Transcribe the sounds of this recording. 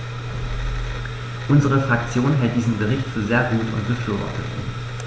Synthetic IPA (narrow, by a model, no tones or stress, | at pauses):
ʔʊnzəʁ̞əfʁ̥akt͡sjoːnɦɛlt̚d̥iːzn̩bəʁɪçtfyːɐzeːɐɡuːtʊ̰ntb̥əfyːɐvɔ̰ɐtət